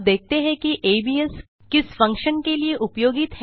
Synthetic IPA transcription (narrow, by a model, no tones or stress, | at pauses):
d̪eːk̚t̪eɦɛ̃kiʔebies | kɪsfə̃ŋkʃənkelieʔupjoːɡit̪ɦ